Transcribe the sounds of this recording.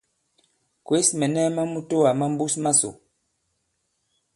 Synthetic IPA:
kwe˦smɛ˨nɛ˦ma˦mu˦to˦a˨ma˦m̩˦bu˦sma˦so̰˨

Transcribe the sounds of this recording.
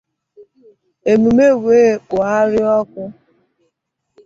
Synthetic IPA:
e˨mu˨me˦˨weː˦k͡pʊ˨a˦ɾɪ˦ɔ˦kʊ˦

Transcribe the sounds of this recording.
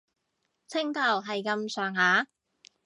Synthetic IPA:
t͡sʰɪ˥ŋt̪ɐ˨˩wɦɐ˨jkɐ˧msœː˨˩ŋhaː˨˥

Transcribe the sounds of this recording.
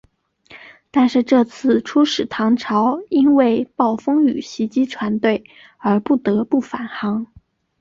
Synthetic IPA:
t̪a˥˧nʂɻ̩˥˧ʈ͡ʂɤ˥˧t͡sʰɹ̩˥˩ʈ͡ʂʰu˥ʂɻ̩˨˩t̪ʰɑ˧˥ŋʈ͡ʂʰɑ˧˥ʊi˥nwe˥˧ɪpɑ˥˩ʊfɤ˥ŋy˨˩ɕi˧˥t͡ɕi˥ʈ͡ʂʰwa˧˥nt̪we˥˩ɪ | ə˞˧˥pu˥˩t̪ɤ˧˥pu˥˩fa˨˩nxɑ˧˥ŋ

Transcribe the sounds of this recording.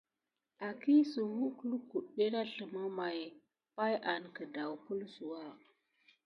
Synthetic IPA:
a˨ki˦su˨wu˦klu˦ku˨ɗe˦ɾa˦ɬə˨mə˦ma˨j | pa˦jʔa˨nkə˨da˨wpu˦lsu˨wa˦

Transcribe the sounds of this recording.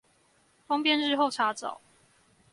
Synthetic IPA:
fɑ˥ŋpjɛ˥˧nɻɻ̩˥˧xo˥˨˩ʊʈ͡ʂʰa˨˥t͡sɑ̰˨˦ʊ

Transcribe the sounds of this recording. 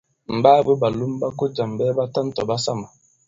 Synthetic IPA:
m̩˨baː˦bə˦ba˨lu˦m˦ba˦ko˦d͡ʒa˨m˨bɛː˦ba˦ta˦n˦tɔ̰˨ba˦sa˦ma˨

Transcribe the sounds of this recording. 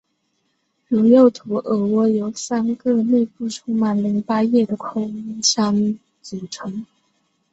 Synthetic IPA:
lu˧˥ŋjo˥˩ʊt̪ʰu˧˥ʔɤ˧˩wɔ˥jo˧˥ʊsa˥nkɤ˥˧ne˥˧ɪpu˥˩ʈ͡ʂʰu˥ma˨˧˩nli˧˥ŋpa˥jɛ˥˩d̪ə˩kʰʊ˥ŋi˥ɕjɑ˥ŋ | t͡su˨˩ʈ͡ʂʰɤ˧˥ŋ

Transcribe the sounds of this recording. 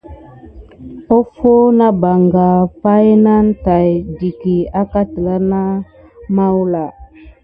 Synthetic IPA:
o˦fo˦na˦ba˨ŋɡa˨pa˦jna˦nta˨jdi˨ki˨a˦ka˦tə˨la˦na˦ | ma˦wla˨

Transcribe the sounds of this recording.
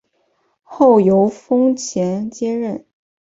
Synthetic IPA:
xo˥˩ʊjo˧˥ʊfɤ˥ŋt͡ɕʰjɛ˧˥nt͡ɕjɛ˥ɻə˥˩n

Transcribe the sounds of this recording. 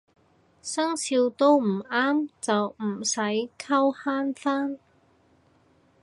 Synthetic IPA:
sɐ˥ŋsiː˧wt̪o˥wm̩˨˩aː˥mt͡sɐ˨wm̩˨˩sɐ˨˥jkʰɐ˥whaː˥nfaː˥n

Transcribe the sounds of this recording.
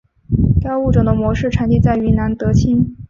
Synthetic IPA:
ka˥ʊu˥˩ʈ͡ʂɤ˨˩d̪ə˦mwɔ˧˥ʂɻ̩˥˩ʈ͡ʂʰa˧˥nt̪i˥˧t͡sa˥˩ɪy˧˥na˧˥nt̪ɤ˧˥t͡ɕʰi˥n

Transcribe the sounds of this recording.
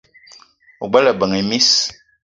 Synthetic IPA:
u˨ɡ͡bɛ˦lə˨bə˨ŋi˨mi˦s

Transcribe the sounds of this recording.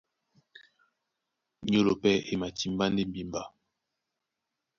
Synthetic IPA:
ɲo˦lo˨pɛ˦ʔe˨ma˨ti˨m˦ba˦nde˦m̩˦bi˨mba˦

